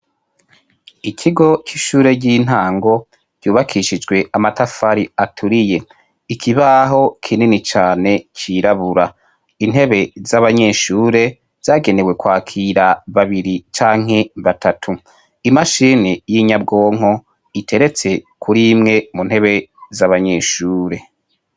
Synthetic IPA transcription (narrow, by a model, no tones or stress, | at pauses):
ikʰiɡo̞t͡ʃiʃuːɾe̞ɟin̥ɦaːŋɡo̞ | ɟ̥uːβakʰiʃid͡ʒɡwe̞amatafaɾiatʰuɾije̞ | ikʰiβaɦo̞kʰininit͡ʃaːne̞cʰiɾaβuɾa | in̥ɦe̞βe̞zaβaɲe̞ːʃuːɾe̞ | z̥aːɡe̞newe̞kwaːkʰiːɾaβaβiɾit͡ʃaːŋɦe̞βatʰatʰu | imaʃiːnijiɲab̚ɡo̞ːŋ̥ɦo̞ | itʰe̞ɾe̞t͡se̞kʰuɾimŋe̞munhe̞βe̞zaβaɲe̞ːʃuːɾe̞